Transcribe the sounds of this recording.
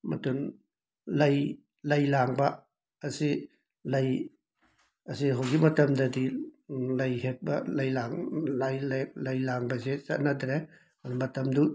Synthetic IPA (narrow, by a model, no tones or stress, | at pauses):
mɐ̰tun | lɐj | lɐjlaŋbɐː | si | lɐj | ɐsiɦowɡimɐtɐmdɐdilɐjhek̚bɐ̰lɐjlaŋlajllɐjlaŋbɐsesɐt̚nɐdɾe | anmɐtɐmdu